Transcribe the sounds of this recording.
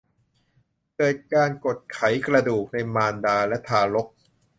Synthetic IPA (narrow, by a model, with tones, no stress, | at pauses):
kɤː˨˩t̪̚kaː˧nko˨˩t̪̚kʰa˩˦jkɾa˧duː˨˩k̚na˧jmaː˧ndaː˧lɛ˦˥t̪ʰaː˧lo˦˥k̚